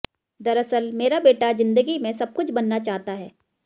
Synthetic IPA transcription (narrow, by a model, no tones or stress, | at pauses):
d̪ɐɾəsəlmeːɾabeːʈazɪ̃nd̪əɡimẽsɐb̚kʊt͡ʃʰbɐnːat͡ʃaːɦt̪aɦɛː